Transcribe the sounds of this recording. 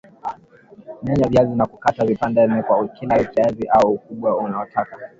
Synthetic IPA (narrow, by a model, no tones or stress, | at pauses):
mɛɲavjazinakukatavipandɛmɛkwaukilait͡ʃaɛviʔauukuɓwaunaɔtʰaka